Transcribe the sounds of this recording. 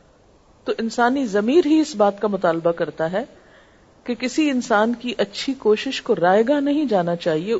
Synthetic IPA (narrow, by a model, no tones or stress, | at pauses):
t̪oːʔɪnsaːnizɐmiːɾɦiɪsbaːt̪kamʊt̪aːlbakɐɾt̪aɦɛ | kekɪsiɪnsaːnkiʔɐtːʃʰikoːʃɪʃkoɾaːjɡanɐɦĩd͡ʒaːnat͡ʃaːɦie